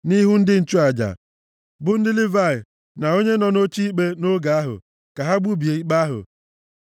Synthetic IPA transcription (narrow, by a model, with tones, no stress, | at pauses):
ni˦ɦʊ˦n̩˦dɪ˦n̩˨t͡ʃu˦a˨d͡ʒa̰˨ | bʊ˦n̩˦dɪ˦lɪ˦va˦˨ɪ˨ | na˨o˦ɲe˦nɔ˨no˦t͡ʃi˦i˦k͡pe˦no˦ɡa˨a˦ɦʊ̰˨ | ka˨ɦa˦ɡ͡bu˦bi˨e˨i˦k͡pa˦ɦʊ̰˨